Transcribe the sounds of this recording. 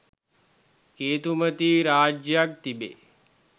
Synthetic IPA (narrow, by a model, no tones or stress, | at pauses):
keːt̪umət̪iːɾaːd͡ʒjak̚t̪ibḛ